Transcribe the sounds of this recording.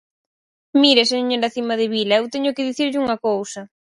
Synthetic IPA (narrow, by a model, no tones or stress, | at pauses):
miɾeseɲoɾaθimaðɪβilaewt̪eɲʊkɪðiθiɾʎuŋɐkowsɐ